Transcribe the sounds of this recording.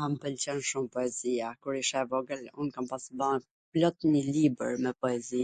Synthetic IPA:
ampəlt͡ɕɛnʃumpɔɛziakuɾiʃɛvɔɡəlunkampasða | plɔt̪ɲəlibə̰ɾmɛpɔɛzi

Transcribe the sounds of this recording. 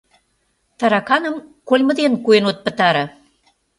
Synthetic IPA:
t̪ɑɾɑkɑnə̆mkolʲmə̆d̪enkuenot̪̚pə̆t̪ɑɾɤ̆

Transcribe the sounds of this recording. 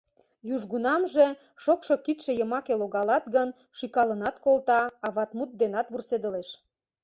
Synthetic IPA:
juʒɣunɑmʒe | ʃokʃokit̪ʃĕjəmɑkeloɣɑlɑt̪ɡən | ʃykɑlə̆nɑt̪kolt̪ɑɑβɑt̪mut̪̚d̪enɑt̪βursed̪əleʃ

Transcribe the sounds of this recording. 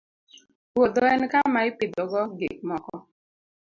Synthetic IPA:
wod̪oɛnkamaɪpɪd̪ɔɡɔɡḛk̚mɔkɔ

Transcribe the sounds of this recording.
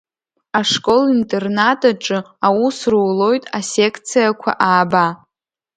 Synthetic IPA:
aʂkʼo̞lintʼe̞rnatʼaʈ͡ʂʼɨ | awusruːlo̞jtʼase̞kʰt͡sʰijakʷʰa̰ʔaːba

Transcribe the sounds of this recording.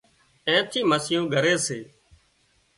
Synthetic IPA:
ẽːt̪ʰiːməsjõːɡʱəɾeːseː

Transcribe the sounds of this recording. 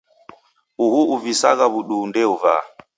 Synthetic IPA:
uhuuvisaɣaβuɗuːndɛuva̰

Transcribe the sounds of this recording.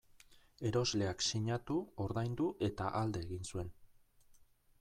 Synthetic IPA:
e̞ɾo̞zle̞aksiɲat̪uo̞ɾðajnd̪uʔe̞t̪aʔald̪e̞ːɣinsue̞n

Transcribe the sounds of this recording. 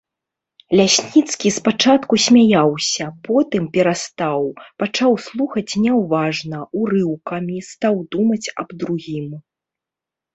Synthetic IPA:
lʲasʲnʲit̪skʲispat͡ʂat̪kusʲmʲajawsʲɐpɔt̪ɨmpʲɛɾast̪awpat͡ʂawslˠuxɐt͡sʲnʲɛwvaʐnɐuɾɨwkɐmʲist̪awd̪umɐt͡sʲɐ̰bd̪ɾuɣʲim

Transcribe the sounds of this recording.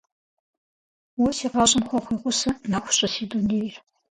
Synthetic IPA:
wɔsiːqɑɕʼɪmxʷɔχʷiːʁʷʊsɐnaxʷʊ̥ɕʼɐsiːduneːjr

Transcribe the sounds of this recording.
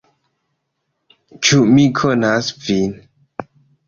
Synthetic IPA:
t͡ʃumikʰonasvin

